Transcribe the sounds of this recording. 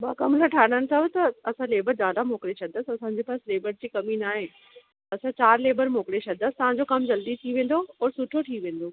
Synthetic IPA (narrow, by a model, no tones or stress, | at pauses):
baːkɐmɾəʈʰaːɽənɪ̆sʰəbt̪ɐɐsãleːbəɾd͡ʑaːd̪amoːkɽesʰɐnəsɐsãːɲd͡ʑeːpaːsleːbəɾd͡ʑiːkɐminaːɦẽ | ɐsãt͡ɕaːɾleːbəɾmoːkɽesʰɐəst̪ɐʋ̤ãɲd͡ʑokɐmd͡ʑɐld̪it̪ʰiːʋẽːn̆d̪oɔːɾsʊʈʰoʈʰiːʋẽːnd̪oː